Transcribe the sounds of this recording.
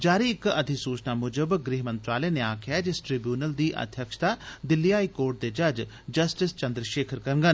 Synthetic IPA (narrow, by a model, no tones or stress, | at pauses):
d͡ʒaːɾiːɪkəd̪ʱisuːt͡ʃnaːmʊd͡ʒəbɡɾiːɦmənt̪ɾaːleːneːaːkʰɪjad͡ʒɪsʈɾɪbjuːnəld̪iːʔə̰d̪ʱjəkʃt̪aːd̪ɪlːiaːiːkoːɾʈ̚d̪eːd͡ʒəd͡ʒ | d͡ʒəsʈɪst͡ʃə̃nd̪ɾəʃeːkʰəɾkəɾŋɡən